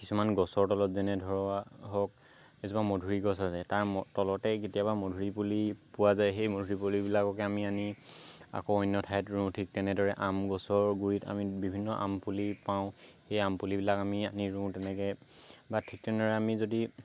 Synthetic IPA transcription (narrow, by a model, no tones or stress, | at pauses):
kisumanɡɔsɔɹtɔlɔtzɛnɛdʱɔɹɔaɦɔk̚ | esubamodʱuɹiɡɔsasɛtaɹtɔlɔtɛketijabamodʱuɹipulipuwazajxejmodʱuɹipolibilakɔkɛamiani | a̰koɔjnːɔtʰaɛtɹũtʰik̚tɛnɛdɔɹɛʔamɡɔsɔɹɡuɹita̰mibibʱinːɔʔa̰mpulipaʊ̃ | xejampulibilakamianiɹũtɛnɛkɛ | batʰik̚tɛɔɹɛamizodi